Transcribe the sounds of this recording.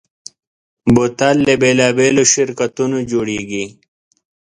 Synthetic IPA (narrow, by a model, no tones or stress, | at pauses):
bot̪alːebeːlaːbeːloɕiɾkɐt̪unod͡ʑoɽiɡi